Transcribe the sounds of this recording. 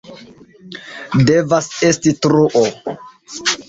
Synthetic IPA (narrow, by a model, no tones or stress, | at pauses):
de̞vase̞stitɾuʔo